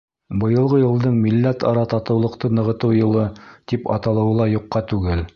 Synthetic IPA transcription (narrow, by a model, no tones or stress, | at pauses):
bɤ̆jɤ̆lˠʁɤjɤ̆lˠd̪ɤɴmilːæt̪ɑɾɑt̪ɑt̪ɤ̆wlˠɤ̆qt̪ɤnɤ̆ʁɤ̆t̪ɤwjɤ̆lˠɤt̪ipɑ̰t̪ɑlˠɤ̆wɤ̆lˠɑjuqːɑt̪ʉɡɘl